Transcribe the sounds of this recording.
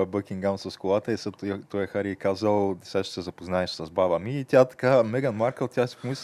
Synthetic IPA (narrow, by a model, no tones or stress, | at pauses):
ɐbəkʲiŋɡamsɐskolˠat̪ɐisɐt̪t̪ɔjɛxaɾiːkazɐlˠsaʃsɛzɐpoznaɛʃsɐzbavɐmiːt̪ʲjat̪ɐ̥kamɛɡɐnmaɾkəlt̪ʲjasi̥pomis